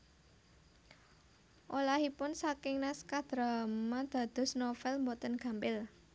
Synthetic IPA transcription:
ʔolaɦipʊnsakɪŋnaskad̪̥ɾamad̪̥ä̤d̪̥ɔ̤snofɛlmbɔt̪ənɡ̥ä̤mbɪl

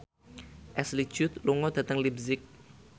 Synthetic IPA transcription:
ʔɛsli̥d͡ʒ̥ʊt̪luŋɔd̥a̤t̪əŋlibzɪk̚

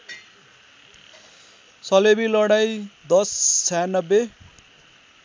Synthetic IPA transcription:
sʌlebilʌɽajd̪ʌst͡sʰajnʌbːe

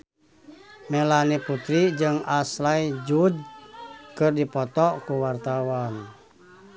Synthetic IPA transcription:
mɛlaniput̪ɾid͡ʒɨŋaslaid͡ʒud͡ʒ | kɨrdipɔt̪ɔkuwart̪awan

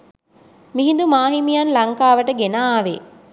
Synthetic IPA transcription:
miɦĩnd̪umaːɦimijanlɐŋkaːʋəʈəɡenaːʋe

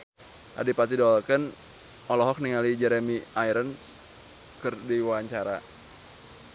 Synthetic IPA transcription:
ʔa̰dipat̪idoalkən | ʔɔlɔɦɔk̚niŋalid͡ʒɛɾemiʔajɾəns | kɨrdiwaaɲt͡ʃaɾa

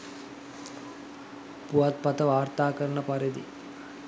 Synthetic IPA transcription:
puat̪̚pɐt̪əʋaːrt̪aːkəɾɐɳəpɐɾid̪ḭ

